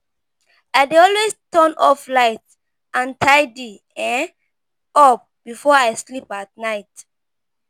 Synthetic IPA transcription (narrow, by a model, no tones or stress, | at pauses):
aɪdeɔlwestɔ̃nɔflaɪt | ʔãntʰaɪdi | ɛ̃ | ɔp̚b̥ifɔaɪslipat̚naɪt